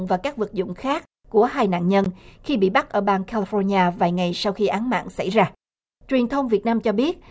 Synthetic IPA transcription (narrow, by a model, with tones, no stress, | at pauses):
ŋ͡mvaː˨˩kaː˦˥k̚vɨ˨˩t̚zʊ̰˧˨ŋ͡mxaː˦˥k̚ːu˧˩əhaː˧jna̰ː˧˨nɲə˧nxi˧ɓḭ˧˨ɓa˦˥t̚ʔəː˧˩ɓaː˧ŋkaː˧li˧fɔ˧ɲaː˧vaː˨˩jŋa˨˩jsa˧wxi˧ʔaː˨˦ŋma̰ː˧˨nsa̰˧˩jzaː˧ | t͡ɕwi˨˩ənt̪ʰə˧wŋ͡mvi˨˩ət̚naː˧mt͡ɕɔ˧ɓi˦˥ət̚